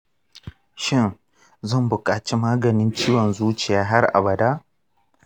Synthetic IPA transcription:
ʃɪ˦n | zɐ˦˨mbʊ˨kʼaː˨t͡ʃi˦maː˦ɡɐ˨nɪ˦nt͡ʃiː˦wɔ˨nzuː˦t͡ʃɪ˨jaː˦ɦa˦rʔa̰˨bɐ˨daː˦

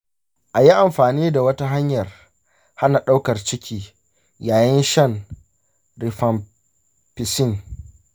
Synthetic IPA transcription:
ʔa˨ji˦ʔa˨mɸaː˨niː˦da˨wɐ˦ta˦ɦa˦ɲjɐ˨r | ha˦na˨ɗa˦wkɐ˨rt͡ʃɪ˦kʲʰiː˦ | jaː˨jɪ˦nʃɐ˦n | ɾɪ˨ɸɐ˨m | pɪ˨sɪ˦˨ŋ

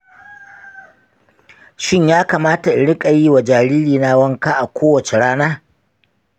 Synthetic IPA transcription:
ʃɪ˦ɲjaː˦kaː˨maː˦ta˨ɪ˨ɽɪ˦kʼa˨jiː˦wa˨d͡ʒaː˨ɾiː˦ɾiː˨na˦wɐ˦ŋkaː˦ʔa˨kʷoː˦wɐ˨t͡ʃe˨ɽaː˦naː˦

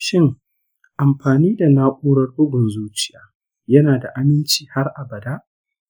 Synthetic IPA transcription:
ʃɪ˦ŋ | ʔa˨mɸaː˨niː˦da˨naː˦ʔʷʼuː˦ɽɐ˦rbʊ˦ɡʊ˨nzuː˦t͡ʃɪ˦jaː˨ | jɐ˦naː˨da˨ʔa˦mɪ˦nt͡ʃiː˨ha˦rʔa˨bɐ˨daː˦ʔ

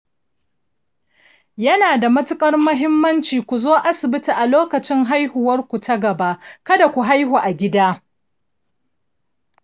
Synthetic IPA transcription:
jɐ˦naː˨da˨mɐ˦tʊ˦kʼɐ˦rmʊ˦ɦɪ˦mːɐ˦nt͡ʃiː˨kʷu˨zoː˦ʔa˦sɪ˨bɪ˦ti˨ʔa˨loː˦kɐ˨t͡ʃɪ˦ŋɦa˦jhʊ˨wɐ˦rkʷu˨tɐ˦ɡɐ˨ba˦ʔkɐ˦da˨kʷu˨ɦa˦jɦuː˨ʔa˨ɡʲɪ˦daː˦

